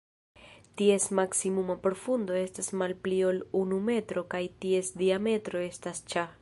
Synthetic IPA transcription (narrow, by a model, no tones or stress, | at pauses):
tie̞smaksimumapɾo̞fundo̞e̞stasmalplio̞lunume̞tɾo̞kajtie̞sdiame̞tɾo̞e̞stast͡ʃa